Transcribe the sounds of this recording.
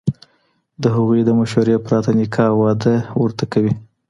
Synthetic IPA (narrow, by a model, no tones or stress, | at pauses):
d̪əɦaɣujd̪əmaʃaɾepɾɑt̪anɪkʰɑwɑd̪əwəɾt̪akawi